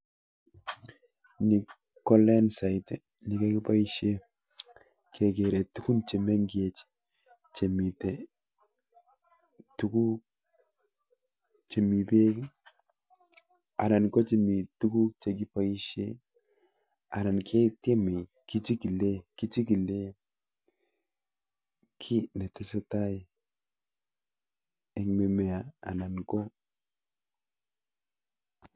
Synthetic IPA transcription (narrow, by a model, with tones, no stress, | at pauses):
ni˨ | kːɔ˦lɛ˦nsa˨jtɛ | ni˨ka˦ki˦pa˦i˦ʃe˦ | kʰe˨k̬e˨ɾɛ˨tu˦ku˦nt͡ʃe˨me˦ŋɡje˦t͡ʃ | t͡ʃe˨mi˨te˨ | tu˦ku˦k̚ | t͡ʃe˨mi˨pe˦k | a˨na˨nɡo˦t͡ʃe˨mi˨tu˦ku˦k̚t͡ʃe˨ɡi˦pa˦i˦ʃḛ˦ | a˨na˨nkʰe˦te˦me˨ | ki˦t͡ʃi˦ki˨le˦ki˦t͡ʃi˦ki˨le˦ | kʰi˦ne˨ti˦se˦ta˦˨ | e˨ŋme˨me˨a˨a̰˨na˨nko˦